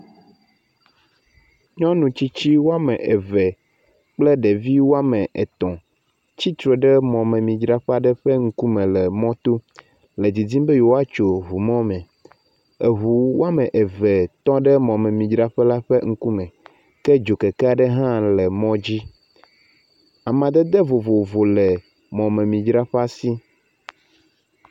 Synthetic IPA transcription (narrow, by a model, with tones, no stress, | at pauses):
ɲɔ̃˦nũ˨t͡ɕi˦t͡ɕi˦wo˦a˦mɛ̃˨ʔe˨vɛ˨ | k͡plɛ˦ɖe˨vi˦wo˦a˦mɛ̃˨ʔe˨t̪ɔ̃˨ | t͡ɕi˦t̪ɾo˨ɖɛ˦mɔ̃˨mɛ̃˨mĩ˨d͡ʒɾa˦ɸa˨ɖɛ˦ɸɛ˦ŋ̩˦ku˦mɛ̃˨lɛ˨mɔ̃˦t̪o˦ | le˨d͡zi˨d͡zĩ˦mbɛ˦jo˨wo˦a˦t͡ʃo˨ɦu˨mɔ̃˦mɛ̃˨ | e˨ɦu˨wo˦a˦mɛ̃˨ʔe˨vɛ˨t̪ɔ̃˦ɖɛ˦mɔ̃˨mɛ̃˨mĩ˨d͡ʒɾa˦ɸɛ˦la˦ɸɛ˦ŋ̩˦ku˦mɛ̃˨ | kɛ˦d͡ʒo˨kɛ˨kɛ˦a˨ɖɛ˦ɦã˦lɛ˨mɔ̃˦d͡ʑi˦ | a˨mã˨d̪ɛ˦d̪ɛ˦vo˨vo˨vo˨lɛ˨ | mɔ̃˨mɛ̃˨mĩ˨d͡ʒɾa˦ɸa˦si˦